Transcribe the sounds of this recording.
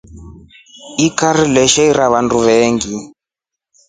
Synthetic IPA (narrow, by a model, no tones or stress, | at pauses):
ikaɾilɛʃɛiɾaβanduβɛːŋɡi